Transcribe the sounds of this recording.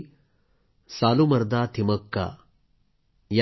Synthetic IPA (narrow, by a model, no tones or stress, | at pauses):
saːlumɐɾd̪aːt̪ʰimɐkːa̰ː | ja